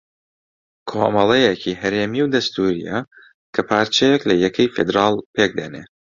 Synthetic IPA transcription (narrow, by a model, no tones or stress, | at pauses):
kʰo̰ːmɐlˠɛjɛcʰiːɦɐɾeːmiwd̪ɐst̪uːɾḭjɛ̰ | kʰɐpʰaːɾt͡ʃɛjɛklɐjɛkʰɐjfed̪ɾɑːlˠpʰeːk̚d̪ɐ̰nḛ